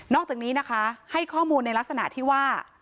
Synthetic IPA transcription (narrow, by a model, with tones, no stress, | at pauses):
nɔː˥˩k̚t͡ɕaː˨˩k̚niː˦˥na˦˥kʰa˦˥ha˥˩jkʰɔː˥˩muː˧nːa˧jla˦˥k̚sa˧na̰˨˩t̪ʰiː˥˩waː˥˩